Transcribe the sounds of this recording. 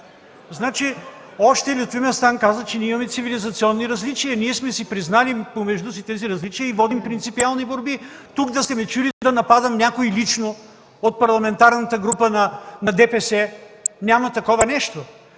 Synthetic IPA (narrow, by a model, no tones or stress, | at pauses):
znat͡ʃi | ɔʃt̪ɛlʲiot̪vimɛst̪ankazət͡ʃɛnʲiimɐmɛt̪sivilizɐt̪siɔnːiɾɐzlit͡ʃiəniɛsmɛsipɾiznalipomɛʒd̪us̬it̪ɛziɾɐzlit͡ʃiəivɔd̪impɾint̪sipialˠniboɾbit̪ukd̪ɐst̪ɛmɛt͡ʃulid̪ɐnɐpad̪ɐmnʲakoilit͡ʃno | ot̪̚pɐɾlˠɐmɛnt̪aɾnɐt̪əɡɾupənɐnɐd̪ɛpɛsɛnʲamɐt̪ɐkɔvɐnɛʃt̪o